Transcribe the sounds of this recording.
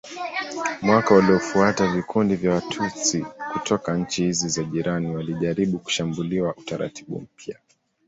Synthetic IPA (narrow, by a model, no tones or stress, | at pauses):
mwakawaliɔfuatavikʰundivjawatʰusikutʰɔkaɲ̩t͡ʃihizizaʄiɾaniwaliʄaɾiɓuku̥ʃambuliwaʔutaɾa̰tʰiɓṵm̩pja